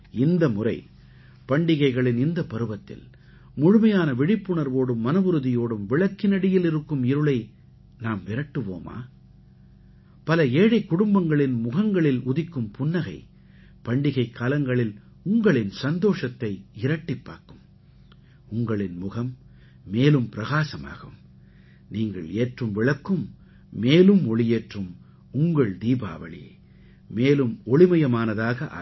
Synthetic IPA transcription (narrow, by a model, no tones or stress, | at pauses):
ɪnd̪ɐmʊrɐ̰ɪ | pɐɳɖɪɣɐɪɣɐɭɪnɪnd̪ɐpɐɾɯʋɐt̪ːɪ̰l | mʊɻʊmɐjaːnɐʋɪɽɪpːɯɳɐɾʋoːɽɯmːɐnɐʋɯɾɯðɪjoːɽɯmʋɪɭɐkːɪnɐɽɪjɪlɪɾɯkːɯmɪɾɯɭɐɪ | naːmʋɪɾɐʈːɯʋo̰ːma̰ː | pɐlɐeːɽɐɪkːʊɽʊmbɐŋɡɐɭɪnmʊɣɐŋɡɐɭɪlʊðɪkːɯmpʊnːɐɣɐ̰ɪ | pɐɳɖɪɣɐɪkːaːlɐŋɡɐɭɪl | ʊŋɡɐɭɪnsɐnd̪oːʂɐt̪ːɐɪɪɾɐʈːɪpːa̰ːɾkɯm | ʊŋɡɐɭɪnmʊɣɐmː | eːlɯmpɪɾɐɣaːsɐma̰ːɣɐm | niːŋɡɐ̰ɭeːʈrɯmʋɪɭɐkːɯmː | eːlɯmɔɭɪjeːʈrɯm | ʊŋɡɐɭd̪iːba̰ːʋɐ̰ɭḭ | meːlɯmɔɭɪmɐjɐmaːnɐðaːɣɐʔa̰ː